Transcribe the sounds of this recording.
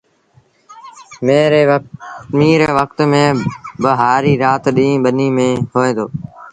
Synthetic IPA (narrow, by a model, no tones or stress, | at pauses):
meːɾe | miːɾeːʋəkt̪mẽːbəɦaːɾiːɾaːt̪ɗĩːɓəniːmẽːɦoːẽːd̪oː